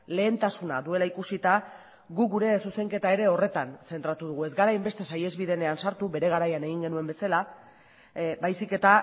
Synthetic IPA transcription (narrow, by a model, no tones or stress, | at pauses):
le̞ːnt̪asuna̰ðue̞laikusit̪a | ɣuɡuɾe̞suse̞ŋke̞t̪ae̞ɾe̞o̞re̞t̪anse̞nt̪ɾat̪uðuɣue̞zɡaɾajmbe̞st̪e̞saje̞zβiðe̞ne̞ansaɾt̪ube̞ɾe̞ɣ̞aɾajane̞ɣ̞iŋɡe̞nue̞mbe̞sala | bajsike̞t̪a